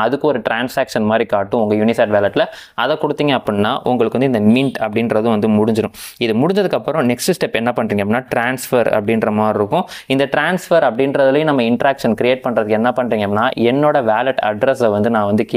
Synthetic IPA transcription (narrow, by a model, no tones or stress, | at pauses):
ɐðɯkːɔɾɯʈɾaːnsaːkʂɐnmaːd̪ɾikaːʈːɯ̃ʊŋɡɐjʊnɪsaːɖʋaːlɐʈlɐ | ɐðɛkɔɽɯt̪ːiːŋɡɐːpːɐnnːaːʔʊŋɡɐɭɯkːɯʋɐnd̪ɯɪnd̪ɐmɪɳʈɐpːɐɽɪnɾɐðɯ̃ʋɐnd̪ɯmʊɽʊɲd͡ʒɪɾʊ̃ɪðɯmʊɽʊɲd͡ʒɐðɯkːɐpːɯɾʊ̃nɛksʈɯsʈɛpːɛnːɐpɐɳːɾiːŋɡɐnːaːʈɾaːnsfɐɾɐ̰pːɐɽɪnɾɐmaːɾɪɾɯkːʊ̃ɪnd̪ɐʈɾaːnsfɐɾɐpːɐɽɪnɾɐðɐlɐjʊ̃nɐmːɐɪɳʈɾaːkʂɐnkɾɪeːʈ̚pɐɳːɾɐðɯkːɛnːɐpɐɳːɾiːŋɡɐpːnːaːɛnːoːɽɐʋaːlɐʈɐɖɾɐsɐʋɐnd̪ɯnãːʋɐnd̪ɯk